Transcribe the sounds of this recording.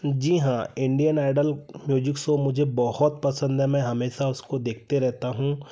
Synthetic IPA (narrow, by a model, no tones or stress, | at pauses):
d͡ʒiːɦãɪ̃ɳɖijənaːɪɖəlmjuːd͡ʒɪksomʊd͡ʒʱebɔhɔt̪̚pɐsə̃nd̪ɦɛmɛ̃ɦɐmeːʃaʊskod̪eːk̚ʰt̪eɾɛɦt̪aɦũː